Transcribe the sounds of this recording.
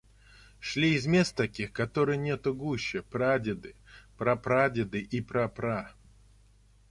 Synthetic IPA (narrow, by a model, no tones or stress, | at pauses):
ʂlʲiɪzmʲe̞st̪t̪ɐkʲixkɐt̪oɾɨjnʲet̪ʊɡuɕːəpɾadʲɪd̪ɨpɾapɾadʲɪd̪ɨʔipɾɐpɾa